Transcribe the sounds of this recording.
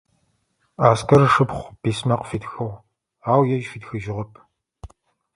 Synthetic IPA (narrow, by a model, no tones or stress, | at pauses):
aːskʰɐrʂɨpχʷb̥iːsmɐqfiːtxɐʁ | aːwjɛʒfitxɨʒɪʁɐpʰ